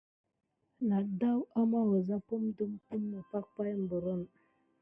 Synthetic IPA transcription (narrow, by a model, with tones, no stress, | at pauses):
na˨da˦wa˦ma˦wə˨za˦pu˦mdu˦mpu˦mːə˨pa˦k̚pa˦jm̩˨bə˨ɾə˦˨n